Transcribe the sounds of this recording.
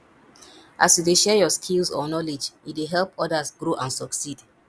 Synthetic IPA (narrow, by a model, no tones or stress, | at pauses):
ʔa̰sjudeʃɛjɔskʰilsɔ̰nɔlid͡ʒjidweɦɛlpɔdəsɡɹoʔãnsɔksid